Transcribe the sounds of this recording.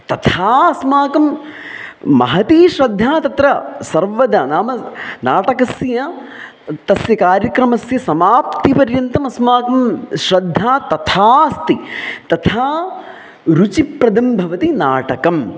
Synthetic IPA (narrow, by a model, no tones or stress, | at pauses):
t̪ɐt̪ʰaːɐsmaːkɐm | mɐ̰ɦɐt̪iːʃɾɐd̪ʱːaːt̪ɐt̪ɾɐsɐɾʋɐd̪ɐnaːmɐnaːʈɐkɐsjɐ | t̪ɐsjɐkaːɾjɐkɾɐmɐsjɐsɐmaːpt̪ipɐɾjɐnt̪ɐmɐsmaːkɐmʃɾɐd̪ʱːaːt̪ɐt̪ʰaːst̪it̪ɐt̪ʰaː | ɾut͡ʃipɾɐd̪ɐmbʱɐʋɐt̪ina̰ːʈɐkɐm